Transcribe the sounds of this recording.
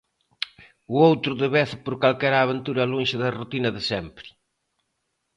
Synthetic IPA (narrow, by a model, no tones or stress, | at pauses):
uowt̪ɾʊðeβɛθɪpoɾkalkɛɾaːβent̪uɾɐlonʃɪðɐrut̪inɐðɪsɛmpɾɪ̥